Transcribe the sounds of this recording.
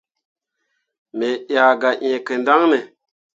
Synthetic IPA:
me˨ja˨ɡa˨ʔẽ˨kə˨nda˦ŋne˨

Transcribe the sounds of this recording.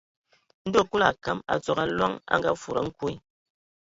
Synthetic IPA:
n̩˦do˦˨ku˦la˨ka˨˦ma̰˨t͡sɔ˨ka˨lwa˦ŋa̰˦ŋɡa˦fu˨ɾa̰˨˦ŋ̩˦ku˦i˦

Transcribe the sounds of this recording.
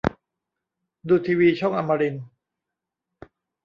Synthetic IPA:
duː˧˩t̪ʰiː˧wiː˧t͡ɕʰɔ˥˩ŋʔa˧mːa˧ɾi˧n

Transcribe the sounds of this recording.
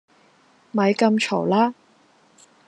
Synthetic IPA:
mɐ˨˧jkɐ˧mt͡ʃʰɔ˨˩wlaː˥

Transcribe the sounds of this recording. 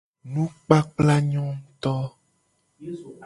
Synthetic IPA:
nũ˦k͡pa˦k͡pla˦ɲɔ̃˦t̪ɔ˦

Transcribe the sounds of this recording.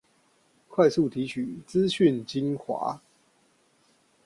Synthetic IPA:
kʰwa˥˧ɪsu˥˨t̪ʰi˨˦t͡ɕʰy˨˩˦t͡sɹ̩˦ɕy˥˨nt͡ɕi˦nxwa̰˧˥˦

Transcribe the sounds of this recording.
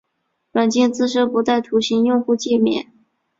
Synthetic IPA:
ʈ͡ʂwa˨˩nt͡ɕi˥˧ŋt͡sɹ̩˥˧ʂɤ˥pu˧˥t̪a˥˩ɪt̪ʰu˧˥ɕi˧˥ŋjʊ˥˧ŋxu˥˧t͡ɕi˥˩mjɛ̰˨˩˦n

